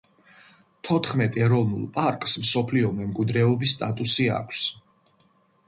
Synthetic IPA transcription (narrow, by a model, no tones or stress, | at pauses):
t̪ʰɔt̪ʰχmɛt̪ʼɛɾɔvnṵlˠpʼaɾkʼsmsɔpʰliɔmɛmkʼwid̪ɾɛɔbisːt̪ʼat̪ʼusia̰kʷʰs